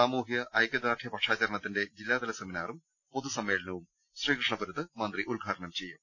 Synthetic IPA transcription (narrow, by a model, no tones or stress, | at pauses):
aːmuːɦjɐʔɐjkːɐd̪ɾaːʈʰjɐpɐʈʂaːt͡ɕɐɾɐɳɐt̪ːinde̞d͡ʑilːaːd̪ɐlɐseminaːrum | po̞ðusɐmːe̞ːɭɐnɐʋum | sriːkrɨʂɳɐpɐɾut̪ːɨmɐnd̪riʔulɡʱaːɾɐɳɐmt͡ɕe̞jːu